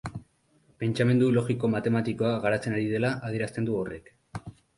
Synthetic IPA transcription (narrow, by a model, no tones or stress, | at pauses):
pe̞nt͡ʃame̞nd̪ulo̞ɣiko̞mat̪e̞mat̪iko̞aɣaɾat͡se̞naɾiðe̞laʔað̞ie̞ɾast̪e̞nd̪uore̞̰k